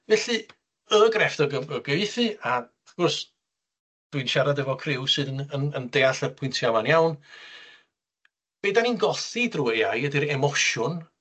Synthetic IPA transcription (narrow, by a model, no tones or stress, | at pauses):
vɛɬɨ | əɡrɛfdɔɡəəɡɛvɨθɨa | aɡ̥ɔrs | d̥wiɨnʃaɾadəvɔkʰrɪwsɨːðənənəndeːaɬərpʰwɪntʰjavanjawn | b̥edaninɡɔθidrʊwejajədiɾɛmɔʃʊn